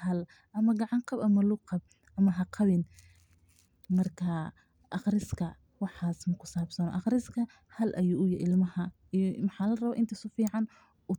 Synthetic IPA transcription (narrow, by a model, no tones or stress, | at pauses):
hɐl | ʔɐmɐɡɑʕɑŋqɑbɐmɐlʊqɑb̚ | ʔɐmɐɦɐqʰɑβɪn | mɐrkʰɐ | ʔɑqrɪskʰɐ | wɑħɑːsmɐkʰʊ̥saːbsɐnɔ̰ʔɑqɾɪskʰɐ | hɐlʔɐjuːʔʊjɛʔɪlmɐhɐ | ijmɑħɑːlɐrɐβɐʔɪ̰nt̪ʰɐsʊfiːʕɑn | ʊ